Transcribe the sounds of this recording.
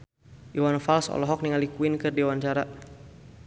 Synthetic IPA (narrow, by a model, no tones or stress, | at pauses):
ʔiwanfalsɔ̰lɔɦɔk̚niŋalikuinkɨrdiwant͡ʃaɾa